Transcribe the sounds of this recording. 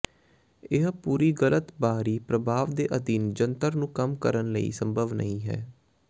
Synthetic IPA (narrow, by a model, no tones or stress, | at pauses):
ɪɦpuːɾiːɡələt̪baːɾiːpɾəbʱaːʋd̪eːʔəd̪iːnd͡ʒənt̪əɾnũːkəmkəɾənləḭːsəmbʱəʋnə̰ĩːɦɛ̰ː